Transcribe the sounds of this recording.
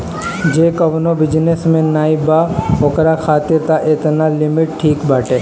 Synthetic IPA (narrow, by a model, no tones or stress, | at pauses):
d͡ʒeːkɐʋnobɪd͡ʒnesmẽnaːibaːɦokɾaxʰaːt̪ɪɾt̪aʔɪt̪nalɪmɪʈʈʰiːkbaːʈeː